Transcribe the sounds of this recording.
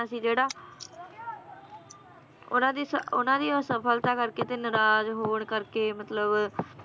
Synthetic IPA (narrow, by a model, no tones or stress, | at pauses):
asĩːd͡ʒeːɽaː | ʊ̰nãːd̪iːsəʊnãːd̪iːsəpʰəlt̪aːkəɾkeːt̪eːnəɾaːzɦoːɳkəɾkeːmət̪ləb